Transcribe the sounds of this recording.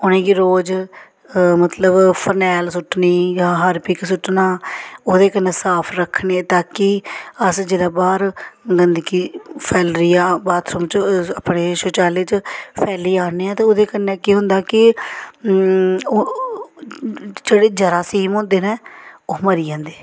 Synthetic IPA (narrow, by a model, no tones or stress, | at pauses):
ʊnẽːkiɾoːd͡ʒ | mət̪ləbpʰənɛːlsʊʈniːjãːɦaːɾpɪksʊʈnaːoːd̪eːkənːẽːsaːpʰɾəkʰneːt̪aːkɪəsd͡ʒeːlaːbaːɾɡənd̪kiːpʰɛːlɾiːaːbaːt̪ʰsəmt͡ʃəpɽeːʃoːt͡ʃaːleːt͡ʃpʰɛːliːaːneːãːt̪eːoːd̪eːkənːɛ̃ːkiːɦʊnd̪aːkɪ | oː | d͡ʒeːɽeːd͡ʒəɾaːsiːmõːnd̪eːnɛ̃ːoːməɾiːãːnd̪eː